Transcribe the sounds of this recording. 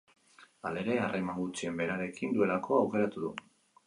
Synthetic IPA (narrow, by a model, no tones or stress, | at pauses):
ale̞ɾe̞are̞maŋɡut͡ʃie̞mbe̞ɾaɾe̞kind̪ue̞lako̞awke̞ɾat̪uðṵ